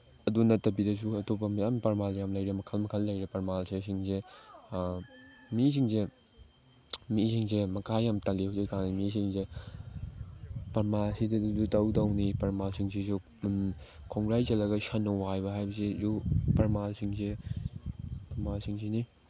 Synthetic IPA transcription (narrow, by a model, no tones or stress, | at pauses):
ɐdunɐtɐbidɐs̬uɐtopːɐmijampɐɾmaljamlɐjɾemɐkʰɐlmɐkʰɐlːɐjɾepɐɾmalsesiŋze | mis̬iŋze | misiŋsemɐkʰajːamtɐlihosekʰaŋnimisiŋze | pɐɾmalsidɐdudutɐwdɐwnipɐɾmalsiŋsisu | kʰɔŋɡɾajd͡ʒɐlɐɡɐsɐnːɔwajbɐɦajbɐsejupɐɾmalsiŋse | pɐɾmalsʰiŋsini